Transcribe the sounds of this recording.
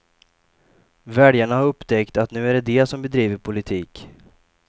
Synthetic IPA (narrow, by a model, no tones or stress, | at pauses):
vɛɖjaɳahaɾɵpːt̪ʰɛkt̪at̪nʉ̟ːæɖɛd̪ɛsɔmbɛd̪ɾiːvəɾpʰʊlɪt̪ʰiːk